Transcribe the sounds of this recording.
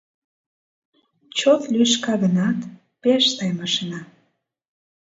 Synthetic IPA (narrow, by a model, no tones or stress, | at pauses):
t͡ɕot̪lʲyʃkɑɣənɑt̪ | peʃt̪ɑjmɑʃənɑ